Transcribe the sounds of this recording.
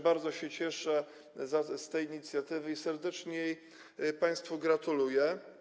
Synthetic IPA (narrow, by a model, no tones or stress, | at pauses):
baɾd̪zɔɕɛt͡ɕɛʂɛ | zast̪ɛjiɲit̪sʲjat̪ɘvɘisɛɾd̪ɛt͡ʂɲɛ | paj̃st̪fuɡɾat̪ulujɛ